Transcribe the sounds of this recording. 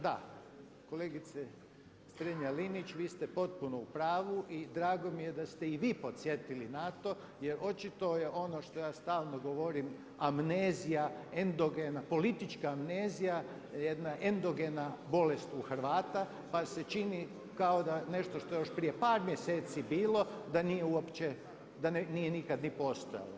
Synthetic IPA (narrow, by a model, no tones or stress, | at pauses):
d̪a | ko̞leɡit̪se | st̪ɾeɲalinit͡ɕʋiːst̪epo̞t̪̚punoupɾaːʋuʔid̪ɾaːɡo̞mijed̪ast̪eiʋiːpo̞t̪sjet̪ilinat̪o̞ | je̞ɾʔo̞t͡ʃit̪ojeʔo̞noʃt̪o̞jaːst̪aːlˠnoɡo̞ʋo̞ɾim | amneːzijaend̪oɡenapo̞lit̪it͡ʃkaːmneːzija | jed̪naʔend̪o̞ɡenabo̞lest̪uxɾ̩ʋaːt̪a | pase̞t͡ʃini | kaod̪ane̞ʃt̪oʃt̪oejoʃpɾijepaːɾmjeseːt̪sibiːlˠo̞d̪anijeuopt͡ʃe | d̪annijenikad̪nipost̪oja̰lo̰